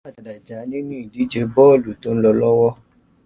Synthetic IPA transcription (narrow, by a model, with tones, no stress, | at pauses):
a˦˨da˨da˨d͡ʒa˨˦nĩ˦nũ˦i˨di˨˦d͡ʒe˧bɔ˦˨lu˨to˨˦n̩˦lɔ˧lɔ˦wɔ˦